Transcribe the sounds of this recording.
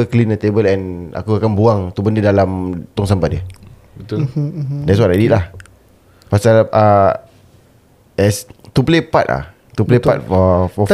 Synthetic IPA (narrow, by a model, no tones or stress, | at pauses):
əklinat̪ebəlɛna̰kuakanbuaŋt̪ubəndədalamt̪ɔŋsampat̪̚diə | bət̪ldɛts̬watadiʔlah | pasalʔə | ɛst̪uplepa̰t̪la̰h | t̪uplepat̪̚fɔfɔ